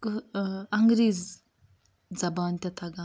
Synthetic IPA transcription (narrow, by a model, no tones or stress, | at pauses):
kɐŋɡɾiːz | d͡zɐbaːnt̪ɐt̪ʰaɡa